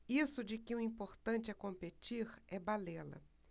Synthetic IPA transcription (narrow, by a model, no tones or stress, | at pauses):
isʊd͡ʒɪkɪʊ̃ĩpoɾt̪ɐ̃nt͡ʃɪɛkõmpet͡ʃiɾɛbalelɐ̰